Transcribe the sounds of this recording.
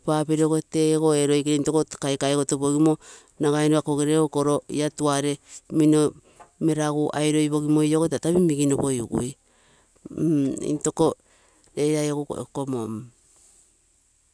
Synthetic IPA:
papeɾeokoteɡoeɾojkeɾento̞kokajkajɡotoβoɡimo | naɡajnoakoɡeɾeokoɾoḭatuaɾe̞mino | me̞ɾaɡuʔajɾo̞jβo̞ɡimo̞jokotataβimiɡinopojṵɡṵj | ḭnto̞ko | ɾeɾajoɡokomom

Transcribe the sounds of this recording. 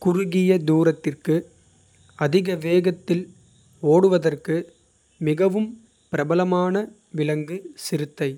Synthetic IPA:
kʊɾʊɣɪjɐd̪uːɾɐt̪ːɪrkɯ | ɐðɪɣɐʋeːɣɐt̪ːɪl | oːɽɯʋɐðɐrkɯ | mɪɣɐʋɯm | pɪɾɐbɐlɐmaːnɐ | ʋɪlɐŋɡɯsɪɾɯt̪ːɐɪ

